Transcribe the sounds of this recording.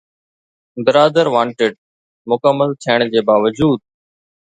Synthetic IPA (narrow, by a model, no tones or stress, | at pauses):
bɪɾaːd̪əɾʋãːɳʈɪɖ̚ | mʊkəmːəlt̪ʰiəɳ̃d͡ʑeːbaːʋəd͡ʑuːd̪̚